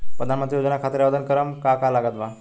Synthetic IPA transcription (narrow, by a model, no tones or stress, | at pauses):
pɾəd̪ʱanmənt̪ɾijod͡ʒənakʰat̪ɾaʋəd̪ənkəɾəmkakalaɡat̪̚bʱa